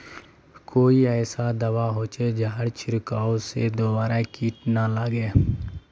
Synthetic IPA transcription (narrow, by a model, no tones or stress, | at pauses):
koːiːɛːsaːd̪əʋaːɦoːt͡ʃeːd͡ʒaːɽt͡ʃʰɪɾkaːosḛːd̪oːbaːɾaːkiːʈnaːlaːɡeː